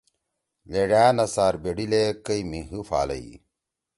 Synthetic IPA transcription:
leɖaːnɐsaːɾbeɽilekɐjmiɦɨfa̰ːlɐ̰i

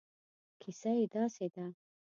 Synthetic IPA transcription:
kʰisaid̪ɑsed̪a

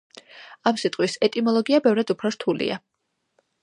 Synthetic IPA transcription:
amsit̪ʼqʼwisɛt̪ʼimɔlˠɔɡiabɛvɾad̪upʰɾɔɾt̪ʰulḭa̰

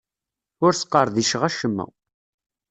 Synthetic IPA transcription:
ʊɾsə̥qːəɾˤðiʃʁæʃəmːæ̰

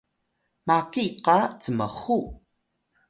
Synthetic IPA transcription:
makiqɑt͡səmə̰χu

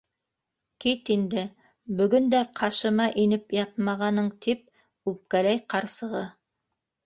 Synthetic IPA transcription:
kit̪ind̪ɘ | bɵ̆ɡɵnd̪æqʰɑʃɤ̆mɑʔinɘpjɑt̪̚mɑʁɑnɤɴt̪ip̚ | ʉp̚kælæjqɑɾsɤ̆ʁɤ

